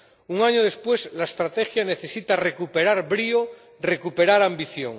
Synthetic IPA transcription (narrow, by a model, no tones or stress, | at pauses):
uŋaɲoðe̞spwe̞slaest̪ɾat̪exjane̞θe̞sit̪are̞kupe̞ɾaɾbɾio | re̞kupe̞ɾaɾambiθjo̰ŋ